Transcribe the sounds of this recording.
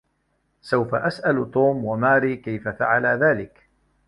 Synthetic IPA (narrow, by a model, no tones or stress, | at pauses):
sawfaʔasʔalt̪ˤuːmwamaːɾiːkajfafaʕalaðaːlɪk